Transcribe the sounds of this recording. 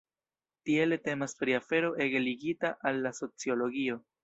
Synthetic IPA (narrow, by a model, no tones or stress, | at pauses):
tie̞lete̞maspɾiafe̞ɾo̞ʔe̞ɡe̞liɡitaʔalːaso̞t͡sio̞lo̞ɡio̞